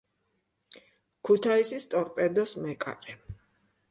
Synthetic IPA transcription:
kʰut̪ʰaisist̪ʼɔɾpʼɛd̪ɔsmɛkʼa̰ɾɛ

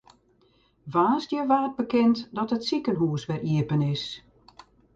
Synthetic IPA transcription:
ʋaːsdjəʋarəd̚bəkɪntdɔtətsikənɦuəsʋɛriəpənɪs

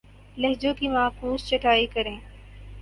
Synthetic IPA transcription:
lɐɦd͡ʒõkimaːkuːst͡ʃɐʈʰaːikəɾẽː

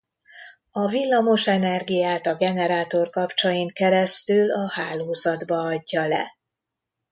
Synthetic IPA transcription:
ɒvilːɒmo̞ʃɛnɛrɡijaːt̪ɒɡɛnɛɾaːt̪o̞rkɒpt͡ʃɒjiŋkɛɾɛst̪ylɒhaːloːzɒd̪bɒɒɟːɒlɛ̰

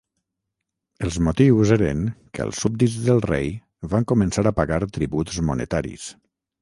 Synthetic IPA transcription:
əlˠzmut̪iwzeɾə̰ŋkə̰ə̰lˠsːub̚d̪id͡zðəlˠrej | βaŋkumənsaɾəpaɣaɾt̪ɾiβut̪zmunə̰t̪aɾḭs

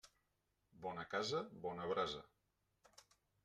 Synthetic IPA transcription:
bɔnəkazəβɔnəβɾazə̰

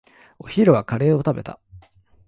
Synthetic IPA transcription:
o̞çiɾɯ̟βakaɾe̞ːo̞t̪abe̞t̪ʰa̰

